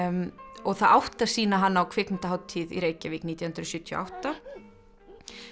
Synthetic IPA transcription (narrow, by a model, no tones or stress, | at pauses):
ɔɣθaðawht̪ḁsiːnaɦanːaawkʰvɪknɪn̥t̪aɦawt̪ʰːiːðḭɾeːjcavɪːkniːt̪jahʏnt̪ɾʏsʏht̪ʰjɔ̰ʔa̰wht̪a